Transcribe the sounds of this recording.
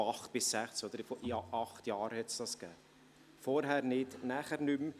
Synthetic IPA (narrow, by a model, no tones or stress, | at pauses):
ɑχt̪̚b̥ɪsːæχt͡sɔd̪əɾfɔiɑʔɑχt̪jɑːɾhɛt̪sd̥ɑsɡ̥ɛː | fɔɾɦæɾnɪtnæːχəɾnʏm